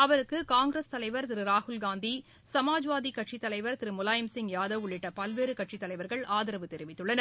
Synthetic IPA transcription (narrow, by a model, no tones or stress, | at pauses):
ɐʋɐɾɯkːɯkaːŋɡɾɐst̪ɐlɐɪʋɐɾt̪ɪɾɯɾaːhʊlɡaːnd̪i | sɐmaːd͡ʒʋaːðikːɐʈʂit̪ːɐlɐɪʋɐɾt̪ɪɾɯmʊlaːjɐmsɪŋjaːðɐʋʊɭːɪʈːɐpɐlʋeːɾɯkɐʈ̚ʂit̪ːɐlɐɪʋɐɾɣɐɭaːðɪɾɐʋɯt̪ɛɾɪʋɪt̪ːɯɭːɐnɐɾ